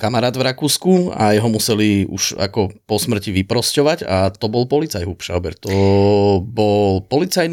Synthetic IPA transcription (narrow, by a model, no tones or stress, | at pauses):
kamaɾaːd̪vɾakuːskua̰jɛɦɔmusɛliṵʃa̰kɔpɔsmr̩ciʋipɾɔscɔʋaɟat̪ɔbɔlpɔlit͡sajɦupʃa̰ʊbɛ̰ɾt̪ɔ | bɔlpɔlit͡sajn